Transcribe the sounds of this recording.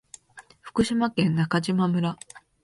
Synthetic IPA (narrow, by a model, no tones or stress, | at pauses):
ɸɯ̥kɯ̟ɕimakẽ̞nːakaʑimamɯ̟ɾa